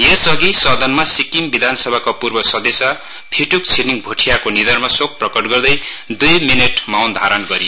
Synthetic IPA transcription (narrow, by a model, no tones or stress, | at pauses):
jesʌɡisʌd̪ʱʌnmasikimbid̪ʱansʌbʱakapurbʌsʌd̪esa | pʰiʈuk̚t͡sʰiniŋbʱoʈʰijakonid̪ʌrmasok̚prʌkʌʈɡʌrd̪ʌjd̪ujmineʈmawnd̪ʱaɾʌnɡʌɾi